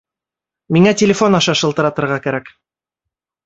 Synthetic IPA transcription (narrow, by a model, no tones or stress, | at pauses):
miŋætʲɪlʲɪfo̞nɑʃɑʃɤ̆lˠt̪ɤ̆ɾɑt̪ɤ̆ɾʁɑkæɾæk